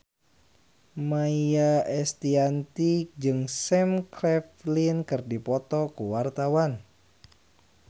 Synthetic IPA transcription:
maiaɛst̪iant̪id͡ʒɨŋsɛmklɛflinkɨrdipɔt̪ɔkuwart̪awan

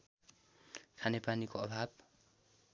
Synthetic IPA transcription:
kʰanepanikoʌbʱab

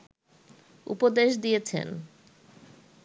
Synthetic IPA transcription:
ṵpod̪eʃd̪ijet͡ɕʰḛn

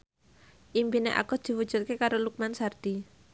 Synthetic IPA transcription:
ʔimpineʔa̰kɔd̪̥i̤wud̥ʒ̥ṳt̪̚kekaɾoluk̚mansard̪̥i

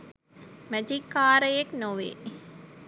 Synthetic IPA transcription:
mæd͡ʒikːaːɾəjeknoʋḛː

